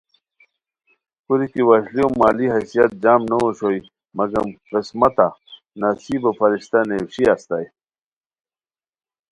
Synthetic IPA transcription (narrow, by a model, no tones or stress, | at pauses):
kuɾikiwaɕliomːaːliɦɐsijɐt̪̚d͡ʑaːmnɐwoɕoi | mɐɡɐmqismɐt̪a | nɐsiːbɐpɐɾiɕt̪anewɕiast̪aj